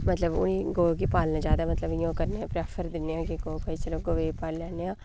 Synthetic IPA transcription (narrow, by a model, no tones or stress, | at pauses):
mət̪ləbʊ̰nĩːɡoːɡipaːlnãːd͡ʒjaːd̪aːmət̪ləbɪjõːkəɾneãpɾɛːpʰəɾd̪ɪnːeãːkeɡoːbait͡ʃəloːɡoːʋeːpaːllaːneãː